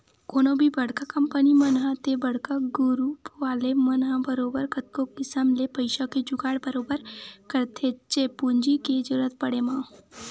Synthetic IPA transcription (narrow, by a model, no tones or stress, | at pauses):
koːnõbʱibɐɽ̤kakɐmpənimənɦãt̪ebɐɽ̤kaɡʊɾuːpʋaːlemɐnɦãbəɾoːbəɾkət̪̚kokɪsəmlepəɪʃaked͡ʒʊɡaːɽbəɾoːbəɾkəɾt̪ʰet͡ʃepuɲd͡ʒiked͡ʒəɾuɾət̪̚pɐɽemãː